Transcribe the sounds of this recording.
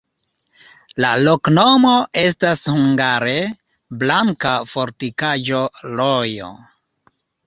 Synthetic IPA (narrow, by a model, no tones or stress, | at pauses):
laloknomoe̞s̬tashuŋɡaɾe̞ | blaŋkafoɾtikaʒo̞lojo̰